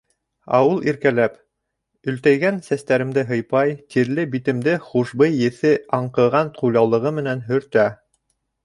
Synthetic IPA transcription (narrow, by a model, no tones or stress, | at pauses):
ɑ̰wɤlˠiɾkælæp | ɵ̆lt̪æjɡænsæst̪æɾɘ̆md̪ɘɦɤ̆jpɑjt̪iɾlɘbit̪ɘ̆md̪ɘχuʃbɤjːɘ̆θɘɑɴqɤ̆ʁɑnt̪qʰujlˠɑwlˠɤ̆ʁɤmɘ̆nænɦɵ̆ɾt̪æ